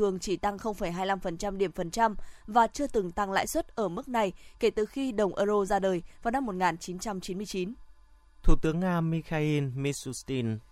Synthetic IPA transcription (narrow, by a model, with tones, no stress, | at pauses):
ɨ˨˩əŋt͡ɕi˧˩t̪a˧ŋxə˧wŋ͡mfə˧˩jɦaː˧jla˧mfə˨˩nt͡ɕa˧mɗi˧˩əmfə˨˩nt͡ɕa˧mvaː˨˩t͡ɕɨ˧ət̪ɨ˨˩ŋt̪a˧ŋla̰ː˧˥˨jswə˦˥t̚ʔəː˧˩mɨ˦˥k̚na˨˩jke˧˩t̪ɨ˨˩xi˧ɗə˨˩wŋ͡mʔəː˧zo˧zaː˧ɗəː˨˩jvaː˨˩wna˧mːo˨˩t̚ŋaː˨˩nt͡ɕi˨˦nt͡ɕa˧mt͡ɕi˨˦nmɨ˧əjt͡ɕi˨˦n | t̪ʰu˧˩t̪ɨ˨˦əŋːaː˧mi˧xaː˧ʔi˧nmi˧˥su˧st̪i˧n